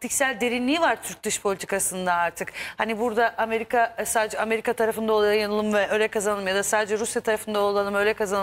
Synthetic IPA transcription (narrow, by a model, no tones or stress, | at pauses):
t̪ʰicsælʲd̪e̞ɾinlʲiːvaɾt̪ʰyɾc̚d̪ɯʃpʰo̞lʲit̪ʰi̥kʰasɯnd̪aaɾt̪ʰɯkhanibuɾd̪aʔame̞ɾikʰasaːd̪ed͡ʒɛame̞ɾikʰat̪ʰaɾafɯnd̪aolˠjanɯlˠɯmvɛølʲɛkʰazanɯlˠɯmjad̪asaːd̪ed͡ʒɛɾusjat̪ʰaɾafɯnd̪aolˠalˠɯmø̞lʲɛkʰazan